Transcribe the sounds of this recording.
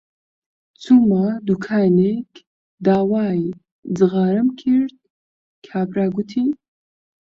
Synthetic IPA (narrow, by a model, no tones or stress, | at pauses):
t͡sʰumad̪ukʰaːnek | d̪aːwaːj | d͡zɨɣaːɾəmkʰiɾd̪̚ | kʰaːbɾaːɡut̪ʰi